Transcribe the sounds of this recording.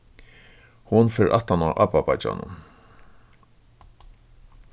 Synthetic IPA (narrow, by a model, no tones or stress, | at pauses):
hʊnfɛːɾʔat̪ːanaʔapapat͡ʃa̰nʊ̰n